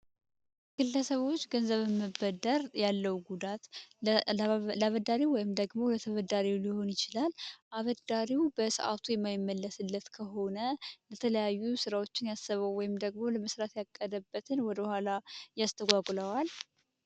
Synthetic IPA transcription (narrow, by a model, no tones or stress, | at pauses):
ɡ̥ɨlːəsəβo̞t͡ʃːɡənzəβɨmːəbəd̪əɾjalːəwɡud̪at̪ | βəd̪aɾiwɔjɪmd̪əɡmo̞lət̪ʰəβəd̪aɾiwliho̞njɪt͡ʃɪlalʔaβəd̪aɾiwbəsɨ̰ʔa̰t̪ʰujɛmːajɪmːəlːəsɨlːət̪kʰəɦo̞nələt̪ʰələjajːusɨɾawo̞t͡ʃːɪnjasːəβəwwːɔjɪmd̪əɡmo̞ləməsɾat̪jakʼːəd̪əbːət̪ʰɨnwɔd̪əhʷalajast̪ʰəɡʷaɡləwal